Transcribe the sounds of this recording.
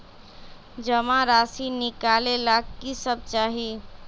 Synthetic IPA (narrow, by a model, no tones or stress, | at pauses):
d͡ʒəmaɾasinikalelakkːisəb̚t͡ʃaɦi